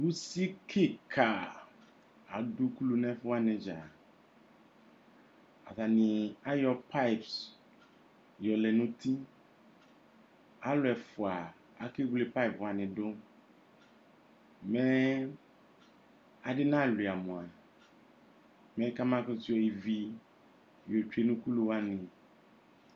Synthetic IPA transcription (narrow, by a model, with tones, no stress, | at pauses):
wu˦si˦kʰe˦kʰa˨ | a˨ɖu˦klu˦nɛ̃˦fo˦a˦nẽ˨d͡ʒa˨ | a̰˨t̪a˨nĩ˨a˦jɔ˨pʰa˦i˨ps | jɔ˨le˨nũ˦t̪i˦ | a˦lʊ˨˦ɛ˨fo˨a˨ | a˦ki˦ɡle˦pa˦i˨pwa˨nɪ̃˨do˦ | mɛ˦ | a˨ɖɪ˦nã˦˨li˨a˨mõ˨a˨ | mɛ̃˦ka˦mã˦kʊ˦t̪u˦ɔ˨i˨vi˦ | jo˨t͡ʃu˦e˦nũ˦ku˦lu˦wa˦nɪ̃˨